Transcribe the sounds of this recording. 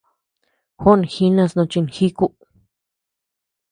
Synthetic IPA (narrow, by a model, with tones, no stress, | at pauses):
xo˦n˨xi˧nã˧snõ˧t͡ʃi˧nxi˦ku˦